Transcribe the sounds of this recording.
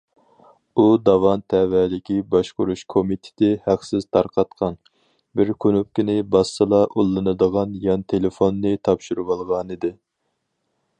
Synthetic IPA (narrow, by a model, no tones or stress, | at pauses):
ud̪ɑwɑnt̪ʰɛvælɪkʲibɑʃqʊɾuʃkʰomit̪ʰɪ̥t̪ʰɪhæqsɪz̥t̪ʰɑɾqʰɑt̪qʰɑn | bɪɾkʲʰønyp̚kʲinɪbɑst̪ɨlˠɑʔulˠːɨnɨd̪əʁɑnjɑnt̪ʰelɪfonːɨt̪ʰɑpʃuɾuwɑlˠʁɑnɨd̪ɪ